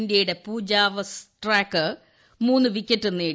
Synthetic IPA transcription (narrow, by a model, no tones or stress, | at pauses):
ndjɐjuɽe̞puːd͡ʑaːʋɐsʈraːkːɨ | muːnːɨʋikʲːetːenːeː